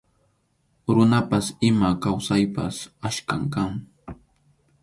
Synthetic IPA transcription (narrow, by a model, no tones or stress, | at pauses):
ɾʊnapasɪmakawsajpasaʃkaŋkaŋ